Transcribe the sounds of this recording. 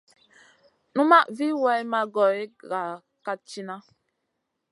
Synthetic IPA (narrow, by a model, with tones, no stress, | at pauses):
nu˦ma˦ʔvi˦wɛ˦ma˦ɡɔ˨i˦ɡa˨ | ka˦t͡ʃi˦na˦